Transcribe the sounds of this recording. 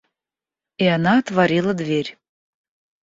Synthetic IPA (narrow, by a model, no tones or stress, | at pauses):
iɑnɑt̪vɑɾʲilˠəd̪vʲerʲ